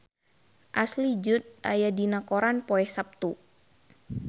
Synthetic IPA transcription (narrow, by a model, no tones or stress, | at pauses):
ʔaslid͡ʒʊt̪̚ʔa̰jadinakoɾanpoɛhsap̚t̪u